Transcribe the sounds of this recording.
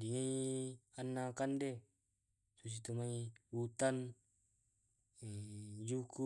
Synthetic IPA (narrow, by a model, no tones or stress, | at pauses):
diŋeianːakandɛ | sus̬it̪umaiut̪an | d͡ʒuku